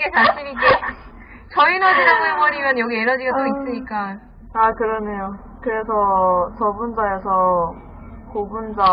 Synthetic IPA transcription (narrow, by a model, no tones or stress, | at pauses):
ɡetaɕ͈ʰimik͈e | t͡ɕʌinɯnʰaɡuebʌɾimjʌnjʌɡieɾʌd͡ʑiʌt͈ois͈ɯɲik͈a | akɯɾʌne̞jo | kɯɾesʰʌt͡ɕʌbund͡ʑaesʰʌ | kobund͡ʑa